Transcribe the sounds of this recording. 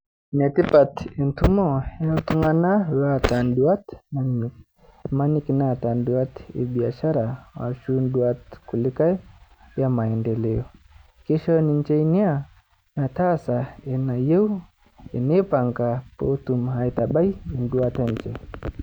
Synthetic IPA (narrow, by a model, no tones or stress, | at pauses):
nɛtipatintumɔjautuŋanaɾatanduatnani | manikinatanduatḭɓiaʃaɾawa̰ʃunduatkulikaɛ | jamaɛndɛlɛɔ | kiʃɔnind͡ʒɛinia | natasaenajeu | enepaŋkapotumɦaitaɓaiinduatant͡ʃɛ